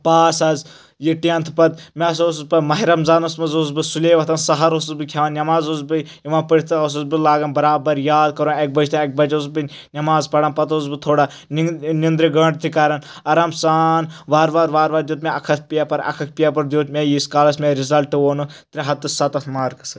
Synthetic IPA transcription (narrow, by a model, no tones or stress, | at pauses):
paːsaz | jiʈiɐnt̪ʰɨpɐt̪meɐsoːspɐmɐɦiɾɐmzaːnɐsmɐzozbɨsulʲeːʋɐt̪ʰɐːnsɐɦɐɾosɐsbɨkʲʰaːʋɐnnʲɐmaːzozbɨ | iʋãːpəɽʲt̪os̬ɐzbɨlaːɡɐnbɐɾaːbɐɾjaːd̪kɐɾõek̚bɐt͡ʃʰt̪ɐek̚bɐt͡ʃosbɨnʲ | nʲɐmaːzpɐɽɐnpɐt̪ozbɨt̪ʰoːɽa | nnind̪ɾiɡɐɳɖt̪ʰikaːɾɐn | ɐɾɐmsaːnʋaːɾʋaːɾʋaːɾʋaːɾd̪joːt̪̬̚mẽɐkʰɐt̪̚ʰpijaːpɐɾɐ̰kʰɐk̚ʰʲpijaːpɐɾd̪ʲjoːt̪mʲejiskaːlɐsmʲeɾizɐlʈɨoːnut̪ɾʲiɦɐt̪ːɨsɐt̪ɐt̪ʰmaːɾkɐ̥sɨ